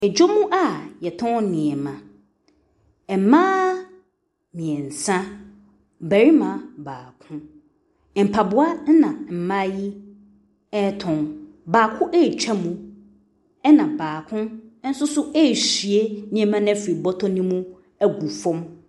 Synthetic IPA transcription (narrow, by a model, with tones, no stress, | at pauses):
ɛ˨d͡ʑo˦mũ˦ʔa˦jɛ˨tʰʊ̃˦nnɪ̃˨ɛ˨mã˨ | mãː˦ | mĩ˨ɛ˨n̩˨sã˦ | bæ˨ɾi˦mã˨baː˨kʰʊ̃˦˨ | m̩˨pʰa˨bʊ˦a˦n˦nã˨m̩˨mã˦ji˦ | ɛ˦tʰʊ̃˨n | baː˨kʰʊ̃˦ʔɛ˦˨t͡ɕᶣɛ˦mũ˦ | ɛ˦nã˨baː˨kʰʊ̃˦n̩˦sʊ˦sʊ˦ʔe˦˨ɕi˨e˦nĩ˨ɛ˨mã˦nã˦fɾi˨bɔ˦tʰɔ˦nĩ˦mũ˦ | æ˦ɡu˨fɔ̃˦m